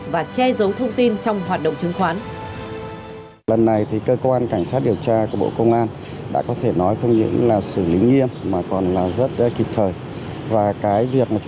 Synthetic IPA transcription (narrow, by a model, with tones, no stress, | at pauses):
vaː˨˩t͡ɕɛ˧zə˨˦wt̪ʰə˧wŋ͡mt̪i˧nt͡ɕɔ˧wŋ͡mɦwaː˨˩t̚ɗə̰˧˨ŋ͡mt͡ɕɨ˨˦ŋxwaː˨˦n | lə˨˩nːa˨˩jt̪ʰi˨˩kəː˧kwaː˧nka˧˩jŋ̟saː˦˥t̚ɗi˨˩əwt͡ɕaː˧ku˧˩ɓo̰˧˨kə˧wŋ͡mʔaː˧n | ɗa̰ː˧˥kɔ˨˦t̪ʰe˧˩nɔ˨˦jxə˧wŋ͡mɲɨ̰˧˥ŋlaː˨˩sɨ˧˩li˨˦ŋi˧əmːaː˨˩kɔ˨˩nlaː˨˩zə˦˥t̚ki˨˩p̚t̪ʰəː˨˩j | vaː˨˩kaː˨˦jvi˨˩ək̚maː˨˩t͡ɕ